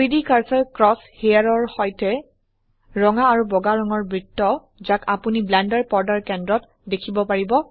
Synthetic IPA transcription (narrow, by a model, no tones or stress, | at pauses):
jdikaɹsɛɹkɹɔshejaɹɔɹhɔjtɛ | ɹɔŋaːɹubɔɡaɹɔŋɔɹbɹitːɔ | zakapuniblandaɹpɔɹdaɹkɛndɹɔt | dekʰibɔpaɹibɔ